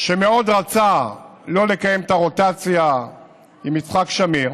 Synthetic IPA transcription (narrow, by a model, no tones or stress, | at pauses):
ʃemeo̞d̪ʁat͡salo̞le̞kaje̞mt̪aʁo̞t̪at͡sja | imːit͡sχakʃamiʁ